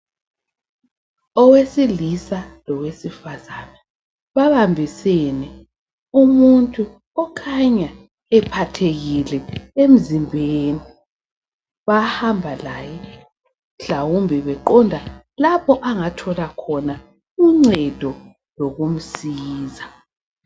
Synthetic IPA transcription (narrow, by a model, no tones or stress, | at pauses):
ɔwesilisalɔwesifazana | βaβambʱisenɛ | umuntʼu | ɔkʰaɲa | ɛpʰatʰeɣilɛem̩zimbʱeːni | βahambʱalaːjɛ | ɬawumbʱɛβɛǃɔndʱa | lapʰɔʔaŋatʰɔlakʰɔna | uŋ͡ǀɛd̥ʱɔ | loɣum̩siːza